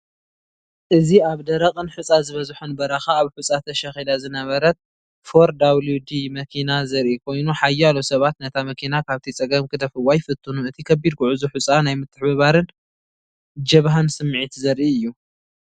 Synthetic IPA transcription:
ʔɨziaβd̪ɐɾɐqʼɨnħut͡sʼazɨβɐzħunbɐɾɐxaːβħut͡sʼat̪ʰɐʃɐxed̪azɨnɐβɐɾɐt̪̚ | foɾd̪aβlud̪imɐkʰinazɐɾʔikʰo̞jnuħajːalosɐβat̪nɐt̪ʰamɐkʰinakʰaβt̪ʰit͡sʼɐɡɐmkɨd̪ʰɐfɨwajfɨt̪ʰːunuɨt̪ʰikʰɐbːid̪̚kʰuʕʊzuħʊt͡sʼanajmɨt̪ʰːɨħbɨβaɾɨn | d͡ʒɐβɦansɨmːʕit̪zɐɾʔiɨjːu

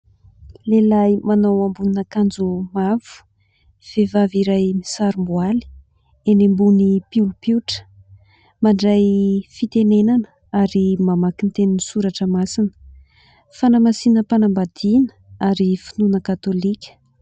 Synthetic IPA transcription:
lelajmanawambuninakand͡zumav̥u̥ | v̥evaviɾajmisaɾumbuali̥ | enembunipiulupiuʈ͡ʂə̥ | maɳɖ͡ʐajfit̪enenanə | aɾimamakint̪eninisuɾaʈ͡ʂəmasinə̥ | fanamasinəpanambad̪̥inəaɾifinunəkat̪olikʲə̥

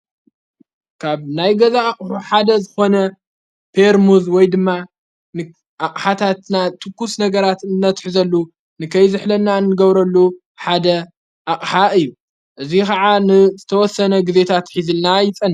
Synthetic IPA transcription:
kʰaβnajɡɐzaːχʼħuħad̪ɐzɨxo̞nɐ | pʰeɾmuzwɔjd̪ɨmːa | nɨ | ʔaqʼħat̪ʰat̪nat̪ʰɨkːusnɐɡɐɾat̪ɨnnɐt̪ħzɐlːu | nɨkʰɐjzɨħlɐnːanːɨɡɐβɾɐlːu | ħad̪ɐ | ʔakʼħaɨjːu | ʔɨzikɐʕanɨzɨt̪ʰɐwɔsːɐnɐɡize̞t̪ʰat̪ħizɨlnajɪt͡sʼɐnː

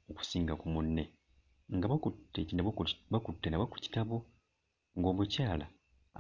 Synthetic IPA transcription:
oku̥siːŋɡakumunːe | ŋɡaβakutːeinaβakutːenaβaku̥ci̥taβo̞ | ŋɡo̞ːmucaːla̰

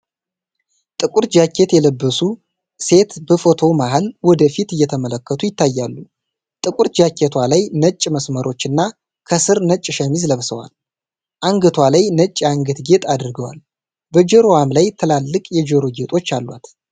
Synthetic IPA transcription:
t̪ʼɨkʼuɾd͡ʒakːe̞t̪jɛləbːəsu | se̞t̪bəfo̞t̪ʰo̞maɦalwɔd̪əfit̪ɨjːɛt̪ʰəmələkːət̪ʰujɪt̪ːajːalːu | t̪ʼɨkʼuɾd͡ʒakʰːet̪ʰwalajnət͡ʃʼːməsməɾo̞t͡ʃːɨnːa | kʰəsɨɾnət͡ʃʼːʃəmizləβsəwa̰l | ʔaŋɡɨt̪ʰwalajnət͡ʃʼːaŋɡɨt̪ɡe̞t̪ʼad̪ɨɾɡəwa̰l | bəd͡ʒɛɾoamlajt̪ʰəlalːɨkʼjɛd͡ʒɾoɡe̞t̪ʼo̞t͡ʃːalːwa̰t̪

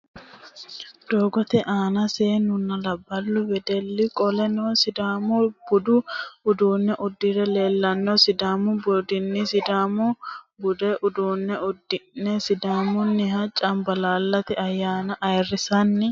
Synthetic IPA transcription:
d̪̥oːɡɔt̪ɛʔaːnɐseːnʊnːɐlɐbːɐlːʊbɛd̪ɛlːɪkʼɔlɛnoːsɪd̪aːmʊb̥ʊd̪ʊʊd̪uːnːɛʔʊd̪ːɪɾɛle̞ːlːɐnːɔsɪd̪aːmʊbɔd̪ɪnːɪsɪd̪aːmʊbʊd̪ɛʔʊd̪uːnːɛʊd̪nɛsɪd̪aːmʊnːɪɦɐt͡ʃʼɐmbɐlaːlːɐt̪ɪɐjːaːnɐʔɐjrːɪsɐnːɪ

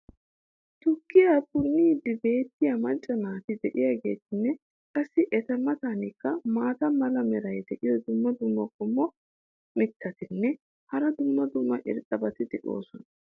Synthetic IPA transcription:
t̪ʊkːɪjakʊnːiːd̪ɪbe̞ːt̪ːɪjɐmɐnt͡ʃʼːɐnaːt̪ɪd̪ɛʔɪjaɡe̞̰ːt̪ɪnːɛ | kʼɐsːɪʔɛt̪ɐmɐt̪anɪkːɐmaːt̪ɐmɐlɐmɛɾɐjd̪ɛʔɪjɔd̪ʊmːɐd̪ʊmːɐkʼɔmːɔ | mɪt̪ːɐt̪ɪnːɛ | hɐɾɐd̪ʊmːɐd̪ʊmːɐʔɪ̰ɾt̪ʼɐbɐt̪ɪd̪ɛᶑo̞̰ːsɔnɐ

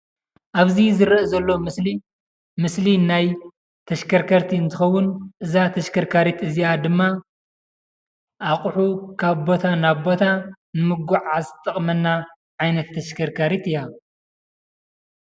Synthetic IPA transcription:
ʔaβzizɨɾɐʔzɐlːo̞msi | mɨslinaj | t̪ʰɐʃkʰɐɾkʰɐɾt̪ʰiɨnt̪ʰɨxɐwːʊnʔɨzat̪ʰɐʃkʰɐɾkʰaɾit̪ɨziad̪ɨmːa | ʔaχʼħukʰaβbo̞t̪ʰanaβbo̞t̪ʰa | nɨmɨɡuʕazt̪ʼɐχʼmɐnːa | ʕajnɐt̪ʰːɐʃkʰɐɾkʰaɾit̪ɨja

